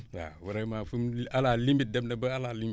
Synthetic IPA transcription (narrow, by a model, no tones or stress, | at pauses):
ja̰wuɾamafumalalimbit̚debndabəalalimbi